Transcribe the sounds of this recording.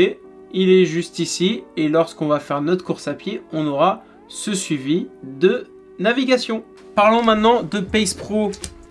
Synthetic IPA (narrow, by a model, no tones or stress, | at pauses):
ilɛʒyst̪isielɔʁskɔ̃vafɛʁnɔt̪kuʁsapjeɔ̃nɔʁa | səsɥivid̪ə | naviɡasjɔ̃ | paʁlɔ̃mɛ̃t̪nɑ̃d̪əpɛjspχo